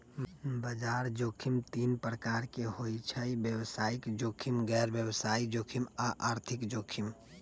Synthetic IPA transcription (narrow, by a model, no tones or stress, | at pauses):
bəd͡ʒaːɾd͡ʒoːkʰɪmt̪iːnpɾəkaːɾkehoːit͡ʃʰəibjəwsaːɪkd͡ʒoːkʰɪmɡɛːɾbjəwsaːid͡ʒoːkʰɪmaʔaːɾt̪ʰɪkd͡ʒoːkʰɪm